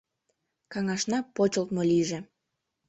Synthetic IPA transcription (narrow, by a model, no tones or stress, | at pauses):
kɑŋɑʃnɑpot͡ɕolˠt̪̚moliʒĕ